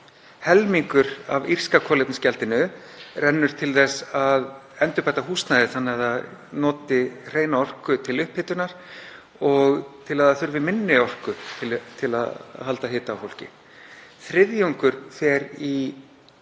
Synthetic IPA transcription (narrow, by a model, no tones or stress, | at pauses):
hɛlmiŋkʏɾa̰vir̥skakʰɔːlɪpnscɛlt̪ɪnʏ | rɛnːʏɾ̥t̪ʰɪlθɛsað | ɛnt̪ʏhpajt̪aɦuːst̪najðɪθanːɪaðaðnɔːt̪ɪr̥eːjnaɔr̥kʏt̪ʰɪlʏhphɪt̪ʏnaɾ̥ | ɔɣt̪ʰɪlaðaθʏɾvɪmɪnːɪɔr̥kʏt̪ʰɪlt̪ʰɪla̰ðɦalt̪aɦɪːt̪aːwfowl̥cɪ̰ | θɾɪðjuŋkʏɾ̥θɛɾi